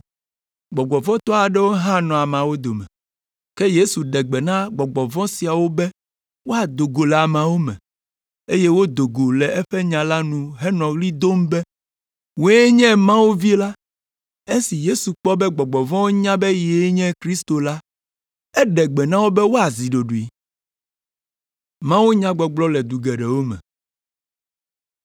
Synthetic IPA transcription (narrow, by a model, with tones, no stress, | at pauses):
ɡ͡bɔ˨ɡ͡bɔ˨vɔ̃˦t̪ɔ˦a˨ɖɛ˦wo˦ɦã˦nɔ̃˨a˨mã˨wo˦d̪o˨mɛ̰˨ | kɛ˦je˦su˨ɖɛ˨ɡ͡bɛ˨nã˦ɡ͡bɔ˨ɡ͡bɔ˨vɔ̃˦si˨a˨wo˦bɛ˦ | wo˦a˨d̪o˨ɡo˨lɛ˨a˨mã˨wo˦mɛ̰̃˨ | e˦je˦wo˦d̪o˨ɡo˨lɛ˨ʔɛ˦ɸɛ˦ɲã˨la˦nũ˨ɦɛ˦nɔ̃˨ɣli˦d̪o˦mbɛ˦ | wo˦ɛ˦ɲɛ̃˦mã˦wo˦vi˦la˦ | e˦si˨je˦su˨k͡pɔ˦bɛ˦ɡ͡bɔ˨ɡ͡bɔ˨vɔ̃˦wo˦ɲã˦bɛ˦je˨˦ɲɛ̃˦kɾi˦st̪o˨la˦ | ɛ˦ɖɛ˨ɡ͡bɛ˨nã˦wo˦bɛ˦wo˦a˨zi˨ɖo˨ɖu˨i˨ | mã˦wo˦ɲã˦ɡ͡bɔ˨ɡ͡blɔ˦lɛ˨d̪u˨ɡɛ˨ɖɛ˨wo˦mɛ̰̃˨